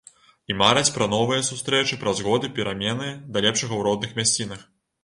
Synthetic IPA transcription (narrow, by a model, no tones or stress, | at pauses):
imaɾɐt͡sʲpɾɐn̪ɔvɨjɐsust̪ɾɛt͡ʂɨpɾɐzɣɔd̪ɨpʲɛɾʔamʲɛnɨjd̪ɐlʲɛpʂɐɣɐwɾɔd̪̚nɨxmʲasʲt͡sʲinɐx